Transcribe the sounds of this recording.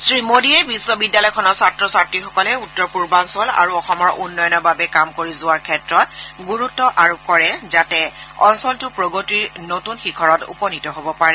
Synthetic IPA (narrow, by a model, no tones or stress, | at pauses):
sɹimodiɛbisːɔbidjalɔjkʰɔnɔɹsatɹɔsaɹtɹixɔkɔlɛutːɔɹpuɹbansɔla̰ɹuɔxɔmɔɹʔunːɔjɔnɔbabɛkamkoɹizʊwaɹkʰɛtɹɔt̚ɡuɹutːɔʔaɹop̚kɔɹɛzatɛɔ̰nsɔltʊpɹoɡotiɹnotunxikʰɔɹɔtṵpɔnitɔɦobɔpaɹɛ